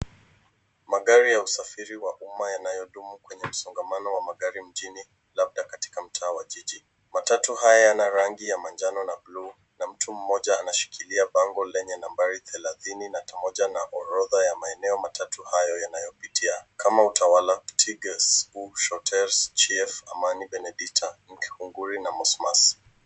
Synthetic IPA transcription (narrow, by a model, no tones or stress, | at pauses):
maɠaɾijausafiɾiwaʔumajanajɔɗumukwɛɲɛm̩sɔŋɡamanɔwamaɠaɾim̩ʄini | lab̚ɗakati̥kam̩tʰaːwaʄiʄi | matatuhajajanaɾaŋɡijamand͡ʒanɔnablu | nam̩tʰum̩mɔʄaːnaʃi̥kʰiliaɓaŋɡɔlɛɲɛnambaɾiθɛlaθininatamɔʄanaʔɔɾɔðajamaɛnɛɔmatʰatuhajɔjanajɔpitʰiakamautʰawalatʰiɡɛsuʃɔtʰɛɾst͡ʃiɛfamaniɓɛnɛɗiktʰaŋ̩khuŋɡuɾinamɔsmas